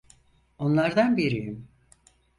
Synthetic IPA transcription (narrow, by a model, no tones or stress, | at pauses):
o̞nlˠaɾd̪anbiɾijim